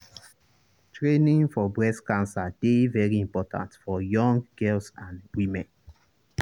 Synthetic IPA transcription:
tɹenĩŋfɔbɹɛskãnsad̥evɛɹiĩmpɔtʰã̰ntfɔjɔ̃ŋɡɛlsãnwimɛ̃n

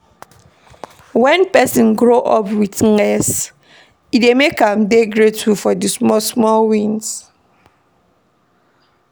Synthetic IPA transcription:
wɛ̃npɛsĩnɡɹoʔɔpwitŋɛs | idemekãmdeɡɹetufɔdɨsmɔsmɔlwĩns

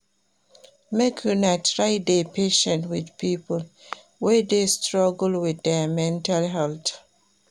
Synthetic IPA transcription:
mekʰunatɹaɪdepʰeʃə̃ntwɪðpʰipəl | wɛdestɹɔɡl̩wɪðɛmɛ̃ntalɦɛlt

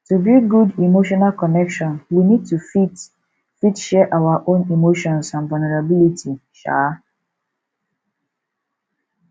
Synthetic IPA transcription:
tubiɡudimoʃɔnalkɔnɛkʃɔ̃nwinid̚tufit | fitʃɛʔawaʔõnimoʃɔ̃nsãnvulneɹabilitʰiʃa̰

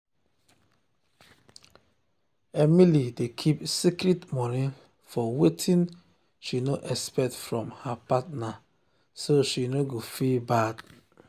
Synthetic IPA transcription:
emilidekʰipsikɾitmɔnĩ | fɔwetʰĩn | ʃinoʔɛspɛk̚tfɹɔ̃mhapatna | soʃinoɡofibad

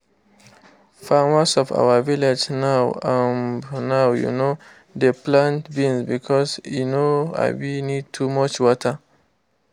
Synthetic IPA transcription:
famasɔfa̰waviled͡ʒnawãmnawjṵno | deplãntbĩnsbikʰɔsjunoa̰ɪwinid̚tʰumɔt͡ʃwɔtʰa

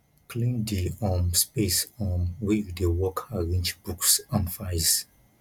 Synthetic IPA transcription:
kʰlĩndiɔ̃nspesɔ̃nwiɡdewɔkʰaɹĩnd͡ʒbuksãnfaɪz

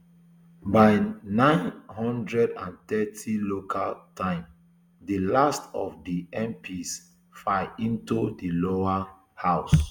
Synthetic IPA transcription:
baɪnãɪ̃nhɔ̃ndɹɛdãntɛtʰilokʰaltʰãɪ̃m | dəlastɔ̰fdiɛ̃mpʰis | faɪĩntudiloa | haʊs

